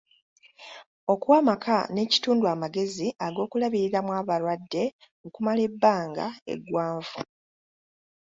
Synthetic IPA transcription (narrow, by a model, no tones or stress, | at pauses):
o̞kwaːmakʰane̞ːci̥tuːndwaːmaɡe̞ziʔaɡo̞ːkulaβiɾiɾamwaːβaɾwadːe̞mukumale̞bːaːŋɡa̰e̞̰ɡwaːɱvu